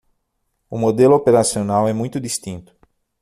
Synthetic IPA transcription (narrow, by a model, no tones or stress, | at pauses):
ʊmod̪elʊopeɾasionawɛmũj̃t̪ʊd̪ist̪ĩnt̪ʊ̥